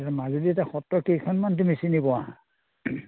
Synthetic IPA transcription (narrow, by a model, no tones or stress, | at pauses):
ɛtamazudiɛtaxɔtɹɔkejkʰɔnmant̬umisinibɔaã